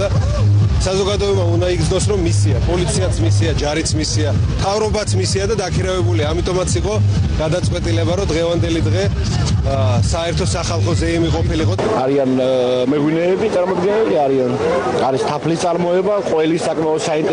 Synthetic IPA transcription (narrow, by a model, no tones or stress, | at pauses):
a | sazɔɡad̪ɔɛbmaund̪aiɡd̪znɔsɾɔmːisiapʼɔlit̪sʰiat̪sʰmisiad͡ʒaɾit̪sʰmisiat̪ʰavɾɔbat̪sʰmisiad̪ad̪akʰiɾavɛbuliamit̪ʼɔmat̪sʰiqʼɔɡ̥ad̪at̪sʼqʼwɛt̪ʼilɛbaɾɔd̪ʁɛvand̪ɛlid̪ʁɛ | saɛɾt̪ʰɔsaχalˠχɔzɛimiqʼɔpʰiliqʼɔ | aɾianmɛɡwinɛːbit̪sʼaɾmɔd̪ɡɛnɛliaɾian | aɾist̪ʰapʰlist̪sʼaɾmɔɛbaqʼwɛlisːakʼmaɔd̪saint̪